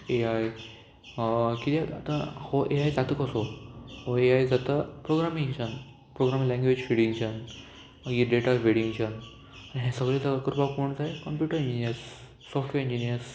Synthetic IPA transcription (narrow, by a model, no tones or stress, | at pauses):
eaj | kit̪et̪a̰t̪ãhoʔeajd͡zat̪əkəsohoeajd͡zat̪əpɾoɡɾamĩŋɕən | pɾoɡɾamĩlɛ̃ŋɡʋed͡ʑfiɽiŋt͡ɕən | ɡiɖeʈaʋeɽiŋɕən | aɽiɦɛ̃səɡɭet͡səakəɾpakoɳd͡zajkəmpjuʈəɾiɲd͡ʑiniəɾsː | ɔfʈʋeɾĩɲd͡ʑinijəɾs